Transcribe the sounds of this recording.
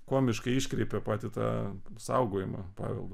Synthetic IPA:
koɔmʲɪʃkɐɪiːʃʲkɾʲɛɪpʲɛpɑːt̪ʲɪt̪ɑ̰ːsɐʊɡoːjɪmɐ̰pɑ̰ːʋʲɛ̰lˠd̪o

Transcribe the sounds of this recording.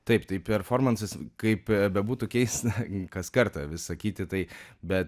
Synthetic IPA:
t̪ɐɪpt̪ɐɪpʲɛɾfoːɾmɐnsɐskɐɪpbʲɛbuːt̪uːkʲɛɪst̪kɐskɐɾt̪ɐʋʲɪsɐkʲiːt̪ʲɪt̪ɐɪbʲɛt̪

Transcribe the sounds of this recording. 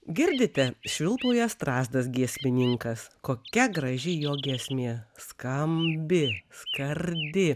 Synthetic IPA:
ɡʲɪɾʲd̪ʲɪt̪ʲɛʃʲʋʲɪlˠt̪uːjɛst̪ɾɑːzd̪ɐsɡʲiɛsʲmʲɪnʲɪŋkɐskoːkʲɛɡɾɐʒʲɪjoːɡʲiɛsʲmʲiɛskɐmʲbʲɪskɐɾʲd̪ʲɪ

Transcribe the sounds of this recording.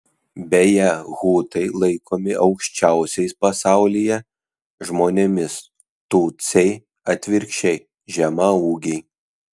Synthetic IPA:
bʲɛjɛɣuːt̪ɐɪlˠɐɪkʰoːmʲɪʔɒʊkʃʲt͡ʃʲæˑʊsʲɛɪspɐsɑˑʊlʲijɛ | ʒmoːnʲemʲɪs | t̪uːt̪sʲɛɪ | ɐt̪ʲʋʲɪɾʲkʃʲɛɪ | ʒʲɛmɐuːɡʲɛɪ

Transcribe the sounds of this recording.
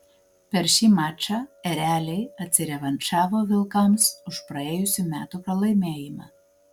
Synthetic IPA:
pʲɛɾʃʲiːmɑːt͡ʃʲɑɛɾʲæːlʲɛɪɐt̪ʲsʲɪɾʲɛʋɐnʲt͡ʃɑːʋoːʋʲɪlˠkɐmsʊʃpɾɐeːjʊsʲuːmʲæːt̪uːpɾɐlˠɐɪmʲeːjɪmɑ̰ː

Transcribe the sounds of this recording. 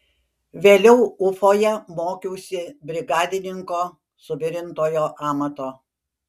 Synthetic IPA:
ʋʲeːlʲɛʊʊfoːjɛmoːkʲɛʊsʲɪbʲɾʲɪɡɑːd̪ʲɪnʲɪŋkoː | sʊbʲɪɾʲɪnt̪oːjoːʔɑːmɐt̪oː

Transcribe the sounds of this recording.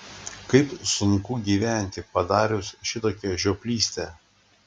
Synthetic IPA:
kɐɪpsʊŋkuːɡʲiːʋʲæˑnʲt̪ʲɪpɐd̪ɑːɾʲʊsʃʲɪt̪oːkʲɛʒʲoːpʲlʲiːsʲt̪ʲɛ

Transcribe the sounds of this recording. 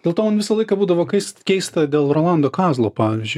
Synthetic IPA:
d̥ʲelˠt̪oːɐnʋʲɪsɐlˠɐɪkɐbuːd̪ɐʋoːkʲɛɪst̪kʲɛɪst̪ɐd̪ʲeːlˠroːlˠɑnd̪oːkɑːzlˠoːpɑːʋʲʋʲizʲd͡ʒʲʊɪ

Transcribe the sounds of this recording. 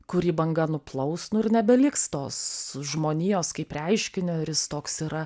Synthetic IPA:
kʊɾʲiːbɐŋɡɐnʊplˠɐʊsnʊɪɾnʲɛbʲɛlʲɪkst̪oːsʒmoːnʲiːjoːskɐɪprʲɐɪʃʲkʲɪnʲoɾʲɪst̪oːksiːɾɐ

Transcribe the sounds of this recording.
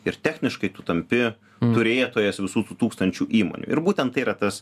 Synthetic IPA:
ɪɾt̪ʲæːxʲnʲɪʃkɐɪt̪uːt̪ɐmʲpʲɪ | t̪ʊɾʲeːjɛt̪oːjɛsʋʲɪsuːt̪uːt̪uːkst̪ɐnʲt͡ʃʲuːʔiːmo̰ːnʲṵɪ̰ɾbuːt̪ʲɛnt̪ːɐɪiːɾɐt̪ɐs

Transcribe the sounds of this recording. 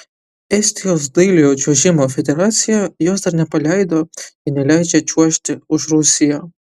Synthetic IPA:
ɛsʲt̪ʲosd̪ɨɪlʲɪjot͡ʃʲuɔʒʲɪmofʲɛd̪ʲɛɾaːt̪sʲɪjajoːsd̪ɐɾnʲɛpɐlʲæjd̪oɪnʲɛlʲæɪd͡ʒʲɛt͡ʃʲuɔʃʲt̪ʲɪʊʃɾʊsʲɪjo

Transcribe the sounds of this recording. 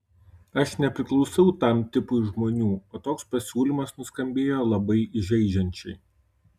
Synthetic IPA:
ɐʃnʲɛpʲɾʲɪklˠɒʊsɐʊt̪ɐˑmt̪ʲɪpʊɪʒmoːnʲuːoːt̪oːkspɐsʲuːlʲiːˑmɐsnʊskɐmʲbʲeːjoːlˠɐbɐɪɪʒʲɛɪd͡ʒʲɛnʲt͡ʃʲɛɪ

